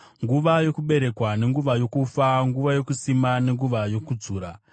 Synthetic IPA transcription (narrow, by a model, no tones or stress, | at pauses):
ŋɡuʋajo̞kuɓe̞ɾe̞kwane̞ŋɡuʋajo̞kufaŋɡuʋajo̞kusimane̞ŋɡuʋajo̞kud͡zuːɾa